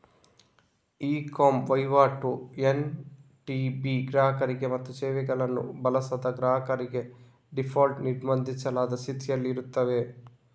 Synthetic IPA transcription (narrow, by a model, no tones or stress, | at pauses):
iːkoːmʋɐjʋaːʈuen | ʈiːbiːɡɾaːɦɐkɐɾiɡe̞mɐt̪ːut͡ʃɛːʋɛɡɐɭɐnːṵbɐlɐsɐd̪ɐɡɾaːɦɐkɐɾiɡe̞ | ɖipʰaːlʈniɽmɐnd̪ʱit͡ʃːɐlaːd̪ɐsit̪ʰijɐlːiɾut̪ːɐʋe̞